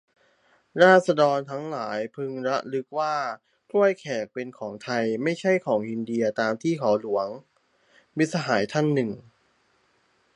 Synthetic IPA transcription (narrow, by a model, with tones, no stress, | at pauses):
ɾaː˥˩sa˧dɔː˧nt̪ʰa˦˥ŋlaː˩˦jpʰɯ˧ŋɾa˦˥ʔlɯ˦˥k̚waː˥˩ | kʰlu˥˩əjkʰɛː˨˩k̚pe˧nkʰɔː˩˦ŋt̪ʰa˧jma˥˩jt͡ɕʰa˥˩jkʰɔː˩˦ŋʔi˧ndi˧ɐt̪aː˧mt̪ʰiː˥˩kʰɔː˩˦wlu˩˦əŋ | wi˦˥t̪̚sa˧ɦaː˩˦jt̪ʰa˥˩nːɯ˨˩ŋ